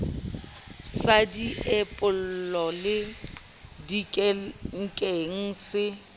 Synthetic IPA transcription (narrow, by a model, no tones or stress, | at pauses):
sadiepʼʊl̩lɔlɪ | dikʼɛŋ̩kʼeŋ̩sɪ